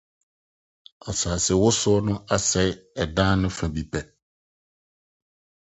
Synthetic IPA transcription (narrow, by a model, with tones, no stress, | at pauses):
a˨saː˨sɛ˨wʊ˦sʊ˦ɔ˦nʊ̃˦a˨sɛ˦˨˦ɛ˨dãː˦nʊ̃˦fã˨bi˨pʰɛ˨